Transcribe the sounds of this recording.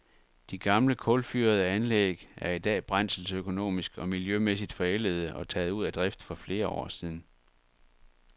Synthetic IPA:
d̥iɡ̥ɑ̈mləkʰɔlfyɐð̞ˠəænleːɡ̥æɐid̥ɛ̰ːb̥ʁɑn̰sl̩søkʰo̝no̝̰ːmisɡ̥ɒ̽miljømes̬id̥fɒ̽el̰əð̞̩ˠəʔɒ̽t͡sʰɛ̰ːð̩ˠuð̞̰ˠæd̥ʁɛfd̥fɒ̽fle̝ːɐɒ̰ːsiːð̞ˠn̩

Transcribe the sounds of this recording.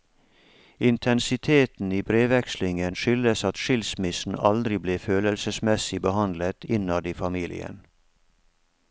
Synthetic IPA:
ɪnt̪ʰɛnsɪt̪ʰeːt̪n̩iːbɾeːʋɛkslɪŋənʃʏləsɑt̪ʃɪlsmɪsn̩ɑld̪ɾɪbleːføːləlsəsmɛsɪbəhɑnlət̪ɪnɑd̪iːfɑmiːlɪ̰ə̰n

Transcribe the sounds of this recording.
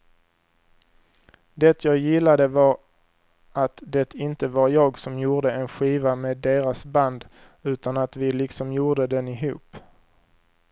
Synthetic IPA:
d̪ɛt̪ʰjɑːɡjɪlːad̪əvɑɾ | at̪d̪ɛt̪ʰɪnt̪əvaɾjɑːɡsɔmjuːʁd̪əɛnɧiːvameːd̪eːɾasband̪ | ʉ̟ːt̪anat̪vɪlɪksɔmjuːɖ̪əd̪ɛnɪɦṵːp

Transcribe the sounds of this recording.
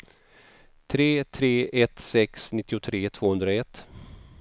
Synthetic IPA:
t̪ʰɾeːt̪ʰɾeːʔɛt̪sɛksnɪt̪ːɪʊt̪ʰɾeːt̪ʰv̥oːhɵnd̪ɾaɛt̪ː

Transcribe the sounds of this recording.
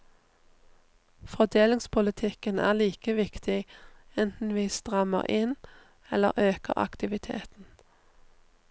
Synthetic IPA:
fɔd̪eːlɪŋspʰʊlɪt̪ʰɪkənæ̰ːʁliːkəʋɪkt̪ʰɪɛnt̪n̩ʋiːst̪ʁɑmə̰ʁʔɪn | ɛlə̰ʁʔøːkə̰ʁɑ̰kt̪ɪʋɪt̪ʰḛːt̪n̩

